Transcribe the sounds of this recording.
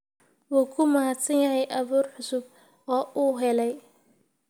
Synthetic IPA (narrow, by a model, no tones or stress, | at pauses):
wuːkʰʊmɐɦat̪sɐnjɐɦɛjʔɐβuːrħʊsʊb̚ | ɔːuːɦɛlɛj